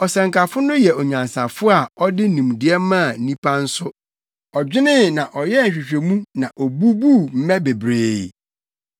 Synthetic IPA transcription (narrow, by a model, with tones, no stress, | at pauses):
ɔ˨sɛ̃˨ŋkʰa˨fʊ˦nʊ̃˦jɛ˨ɔ˨ɲã˨nsã˨fʊ˦a˨ɔ˦dɪ˦nũ˨m˨dɪ˨ɛ˦mã˦˨n̩˦nĩ˦pʰã˦n̩˦sʊ˦ | ɔ˨d͡ʑᶣɪ˦nɪ̃˦nã˨ʔɔ˨jɛ˦˨ɕᶣɪ˨ɕᶣe˨mũ˦nã˨ʔɔ˨bu˦bu˦m̩˦mɛ̃˦be˨bɾeː˨